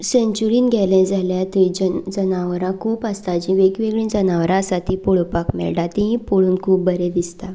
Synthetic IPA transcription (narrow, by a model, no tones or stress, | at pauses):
sẽɲt͡ɕuɾiːnɡʱɛlɛ̃d͡zaljat̪id͡ʑəd͡zənaʋɾãkʰuːpəst̪ad͡ʑiʋeɡʋeɡɭĩːnd͡zənaʋɾãəsat̪iːpuɭpakmɛ̰ɭɖat̪ĩɦĩpoɭuːnkʰuːp̚bəɾed̪ist̪a